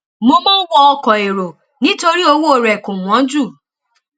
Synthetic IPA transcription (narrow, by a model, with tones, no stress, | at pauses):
mo˦mɔ̃˦wɔ˦ɔ˧kɔ˨e˨ɾo˨ | nĩ˦to˧ɾi˦o˦˧wo˦˨ɾɛ˨ku˨mɔ̃˨˦d͡ʒu˦˨